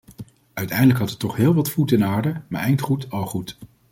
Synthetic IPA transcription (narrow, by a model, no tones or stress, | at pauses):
œɥtɛjndələkɦɑtətɔχɦɪːlˠʋɑtfutɪnaːɹdəma̰ːɹʔɛjntχutɑlˠχut